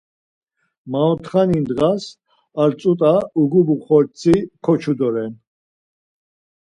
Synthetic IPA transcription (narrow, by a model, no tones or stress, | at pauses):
maɔt̪ʰχanind̪ɣas | aɾt͡sʼut̪ʼauɡubuχɔɾt͡sʰikʰɔt͡ʃʰud̪ɔɾɛn